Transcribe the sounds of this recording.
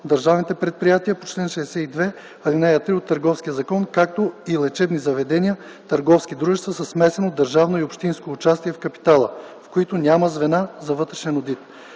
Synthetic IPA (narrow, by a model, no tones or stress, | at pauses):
d̪ɐɾʒavnit̪ɛpɾɛt̪̚pɾijat̪iəpot͡ʃlɛnʃɛsɛid̪vɛ | ɐd̪inɛjɐt̪ɾiot̪ːɐɾɡɔfskʲijəzɐkɔnkakt̪oilɛt͡ʃɛbnizɐvɛd̪ɛniə | t̪ɐɾɡɔfsk̟id̪ɾuʒɛst̪vɐsɐsmɛsɛnod̪ːəɾʒavnoiopʃt̪inskoːt͡ʃast̪iɛfkɐpi̥t̪alˠəfkoit̪onʲaməzvɛnazɐvɤt̪ɾɛʃɛnod̪it̪